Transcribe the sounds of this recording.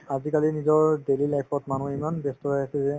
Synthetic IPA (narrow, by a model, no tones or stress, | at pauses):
azikalinizɔɹdelilajpʰɔtmanuimanbestɔajasɛzɛ